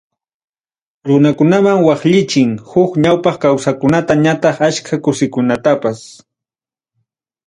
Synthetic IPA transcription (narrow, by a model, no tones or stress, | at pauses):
ɾʊnakʊnamaŋwɑχʎɪt͡ʃɪŋhʊkɲawpɑχkawsakʊnat̪aɲat̪ɑχaʃkʰakʊsɪkʊnat̪apas